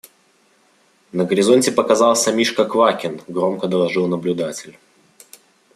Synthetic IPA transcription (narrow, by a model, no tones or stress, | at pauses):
nəɡəɾʲɪzonʲtʲɪpəkɐzalˠsʲəmʲiʂkəkvakʲɪnɡɾo̞mkəd̪əlˠɐʐɨlˠnəblʲʊd̪atʲɪlʲ